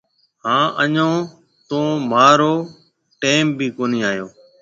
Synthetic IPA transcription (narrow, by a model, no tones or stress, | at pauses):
ɦãːʔəɲõː | t̪õːmaːɾoː | ʈeːmbʱiːkoːniːaːjoː